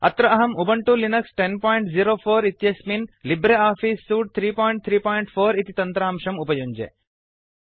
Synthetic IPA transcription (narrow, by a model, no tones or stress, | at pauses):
ɐ̰t̪ɾɐɐɦɐmubɐɳʈulinɐksʈenpɔːjɳʈziɾoːfoːɾit̪jɐsminlibɾeaːfiːsːuːʈ̚t̪ʰɾiːpɔːjɳʈ̚t̪ʰɾiːpɔːjɳʈfʰoːɾit̪it̪ɐnt̪ɾaːmʃɐmupɐjuɲd͡ʒḛ